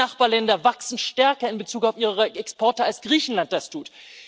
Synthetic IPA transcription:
aχb̥aːɐlɛndɐvaksn̩ʃtɛɐkɐɪnbət͡suːkaʊfʔiːʁəʁəɛkspʰɔɐtəalsɡ̥ʁiːçn̩lant̚d̥astʰuːt

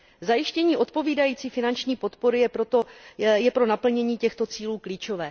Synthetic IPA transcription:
zajɪʃcɛɲiːʔo̞t̪̚po̞viːdajiːt͡siːfɪnant͡ʃɲiːpo̞t̪po̞ɾɪjɛɾojɛpɾo̞napl̩ɲɛɲiːcɛxt̪o̞t͡siːluːkliːt͡ʃo̞vɛː

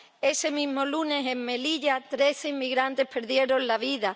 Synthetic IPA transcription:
e̞se̞mĩɦmolunese̞mme̞liʎat̪ɾe̞θeimːiɣɾant̪e̞hpe̞ɾðje̞ɾo̞nlaβiða

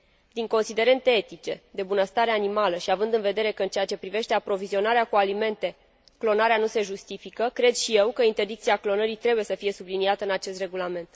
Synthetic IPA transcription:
d̪iŋko̞nsid̪e̞ɾe̞nt̪e̞et̪it͡ʃe̞d̪e̞bunəst̪aɾeanimaləʃiavɨnd̪ɨnve̞d̪e̞ɾe̞kəɨnt͡ʃe̞at͡ʃe̞pɾive̞ʃt̪eapɾo̞vizio̞naɾeakualime̞nt̪e̞ | klo̞naɾeanuse̞ʒust̪ifikəkɾe̞d̪ʃije̞wkəint̪e̞rd̪ikt̪siaklo̞nəɾit̪ɾe̞buje̞səfije̞subliniat̪əɨnat͡ʃe̞st̪re̞ɡulame̞nt̪

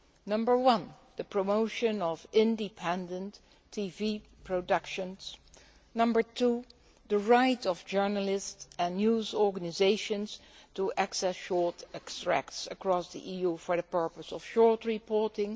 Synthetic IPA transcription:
nʌ̃mbə˞wʌ̃n | ðəpʰɹomoʊʃɨ̃nɔvɪ̃ndɪpʰɛ̃ndə̃ntʰ | ivipʰɹodʌkʃə̃ns | nʌ̃mbə˞tʰu | ðəɹaɪtɔvd͡ʒɜ˞nəlɪstsɛ̃njuzɔɹɡənɪzeɪʃə̃nstuʔæksɛsʃɔɹtɛkstɹæ̰ktsəkɹɔsðḭʔijufɔ˞ðəpɜ˞pəsɔfʃɔɹtɹipɔɹtɪ̃ŋ

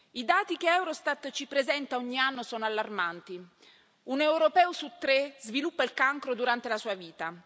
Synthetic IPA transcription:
id̪aːt̪ik̟eɛwɾost̪at̪ːt͡ʃipɾezɛnt̪aɔɲːianːosɔːnoalːarmant̪i | unewɾopɛːosut̪ːɾezvilupːailkaŋkɾod̪uɾant̪elasuːaviːt̪a

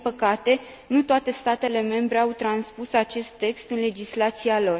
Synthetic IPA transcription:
pəkat̪e̞ | nut̪oat̪e̞st̪at̪e̞le̞me̞mbɾe̞awt̪ɾanspusat͡ʃe̞st̪ːe̞kst̪ɨnle̞d͡ʒislat̪sialo̞r

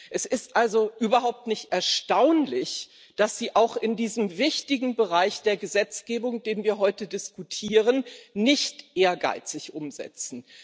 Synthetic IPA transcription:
ʔɛsɪstʔalzoʔyːbɐɦaʊp̚tnɪçtʔɛɐʃtaʊnlɪç | d̥asz̥iːʔaʊxɪndiːzəmvɪçtɪɡŋ̩bəʁaɪçd̥eːɐɡəzɛt͡sɡ̥eːbʊŋd̥eːnviːɐɦɔʏtədɪskutʰiːʁənːɪçtʔeːɐɡa̰ɪt͡sɪçʔʊmzɛ̰t͡sn̩

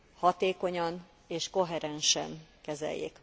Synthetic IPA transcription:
hɒt̪eːko̞ɲɒn | eːʃko̞ɦɛɾɛnʃɛ̰nkɛzɛ̰jːḛːk

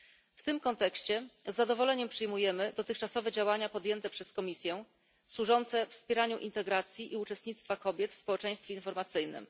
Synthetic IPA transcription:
ft̪ɘmkɔnt̪ɛkɕt͡ɕɛzːad̪ɔvɔlɛɲɛmpʂɘjmujɛmɘd̪ɔt̪ɘxt͡ʂasɔvɛd͡ʑawaɲapɔd̪ʲjɛnt̪ɛpʂɛskɔmʲisʲjɛ | swuʐɔnt̪sɛfspʲjɛɾaɲuʔint̪ɛɡɾat̪sʲjiʔiut͡ʂɛst̪ɲit̪st̪fakɔbʲjɛt̪fspɔwɛt͡ʂɛ̃j̃st̪fʲjeinfɔɾmat̪sɘjnɘ̰m

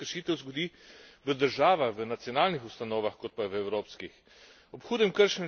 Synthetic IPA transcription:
əɾʃiːt̪ɛwzɡɔd̪iː | ʋəd̪əɾʒaːʋaxʋənat̪sijɔnaːlnixust̪anoːʋaxkot̪̚paʋəɛwɾoːpskix | ɔpxuːd̪ɛmkəɾʃɛn

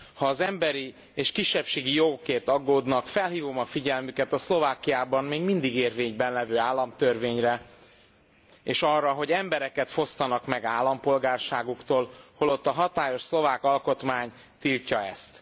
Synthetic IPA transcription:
hɒːzɛmbɛɾi | eːʃkiʃːɛpʃeːɡijo̞ɡokeːrt̪ɒɡːoːd̪nɒkfɛlɦiːvo̞mɒfiɟɛlmykɛt̪ɒslo̞vaːkijaːbɒmmeːɡmind̪iɡeːrveːɲbɛnlɛvøːaːlːɒmt̪ørveːɲrɛ | eːʃɒrːɒɦo̞ɟɛmbɛɾɛkɛt̪fo̞st̪ɒnɒkmɛɡaːlːɒmpo̞lɡaːrʃaːɡukt̪oːlholo̞t̪ːɒɦɒt̪aːjo̞ʃslo̞vaːkɒlko̞t̪maːɲ | t̪ilcɒɛ̰st̪

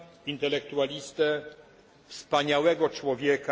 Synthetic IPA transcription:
int̪ɛlɛkt̪ualʲist̪ɛ | fspaɲawɛɡɔt͡ʂwɔvʲjɛka

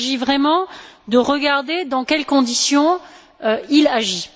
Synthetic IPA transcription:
ʒivʁɛmɑ̃d̪əʁəɡaʁd̪ed̪ɑ̃kʲɛlkɔ̃d̪isjɔ̃ | øilaʒi

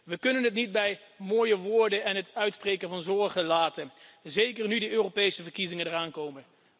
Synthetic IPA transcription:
ʋəkɵnənɦətnid̚bɛj | moːjəʋʊːɹdənɛnɦətœɥtsprejkənvɑnzɔɹχəlaːtənzejkəɹnydəʔøːrowpejsəvəɹkizɪŋəndəɹaːnkowmən

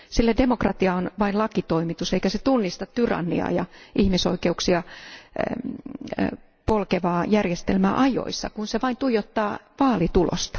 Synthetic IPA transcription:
silːædemokrɑt̪iɑonʋɑinlɑkit̪oimit̪useikæset̪unːist̪ɑt̪tyrɑ̰nːḭɑ̰jɑʔihmisoikeuksiɑ | polkeʋɑːjærjest̪elmæʔɑjo̰isːɑ̰kunseʋɑint̪ujot̪ːɑːʋɑːlit̪ulo̰st̪ɑ̥

